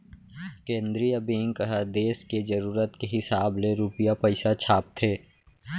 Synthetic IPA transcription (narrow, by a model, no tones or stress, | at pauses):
kẽːnd̪ɾiəbẽːŋkəɦəd̪eːsked͡ʒəɐɾuːɾət̪keɦɪsaːbleɾuːpɪjapəɪsat͡ʃʰaːp̚t̪ʰeː